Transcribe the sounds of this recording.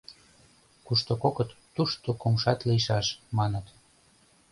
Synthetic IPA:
kuʃt̪okokət̪ːuʃt̪okomʃɑt̪liʃɑʃmɑnət̪

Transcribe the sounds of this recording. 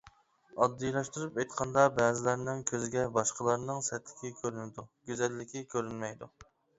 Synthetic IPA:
ɑd̪ːɨjlˠɑʃt̪uɾupɑjt̪qʰɑnd̪ɑbɛːzɪlæɾnɪŋkʲʰøzɪɡʲɛbɑʃqəlˠɑɾnɨŋsɛt̪lɪ̥kʲikʲʰøɾynɪd̪uɡʲyzɛlːɪkʲikʲʰøɾynmɛjd̪u

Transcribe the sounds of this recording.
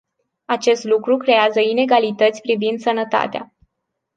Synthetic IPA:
at͡ʃe̞st̪lukɾukɾe̞azəine̞ɡalit̪ət̪sʲpɾivind̪sənət̪a̰t̪ea̰

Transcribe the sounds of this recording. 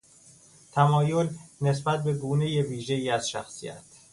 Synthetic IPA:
t̪ʰæmɒːjo̞lne̞sbæt̪̚be̞ɡuːne̞jeviːʒe̞iːæz̥ʃæ̰xsḭjæ̰t̪ʰ

